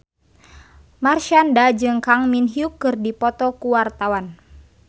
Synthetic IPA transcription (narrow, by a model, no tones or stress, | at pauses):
marʃandad͡ʒɨŋkaŋminɦiukːɨrdipɔt̪ɔkuwart̪awan